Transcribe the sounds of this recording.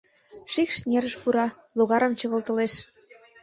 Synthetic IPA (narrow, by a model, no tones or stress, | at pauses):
ʃikʃnʲeɾəʃpuɾɑ | loɣɑɾə̆mt͡ɕɤ̆ɣə̆lˠt̪ɤ̆leʃ